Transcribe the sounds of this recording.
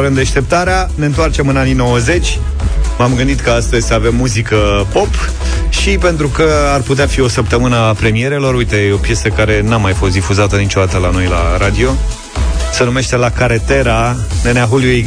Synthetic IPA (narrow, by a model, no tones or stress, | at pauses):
ɾɨnd̪eʃt̪e̞p̚t̪aɾeane̞ɨnt̪oart͡ʃe̞mɨnanino̞wəze̞t͡ʃʲ | mamɡɨnd̪it̪kəast̪əzʲsave̞mːuzikəpo̞p | ʃipe̞nt̪ɾukəarput̪eafio̞səpt̪əmɨnəpɾe̞mije̞ɾelo̞ɾujt̪e̞eo̞pje̞səkaɾe̞namajafo̞st̪d̪ifuzat̪ənit͡ʃod̪at̪əlano̞jla̰ɾad̪io̞ | se̞nume̞ʃt̪e̞lakaɾet̪e̞ɾa | neneaɦuliuj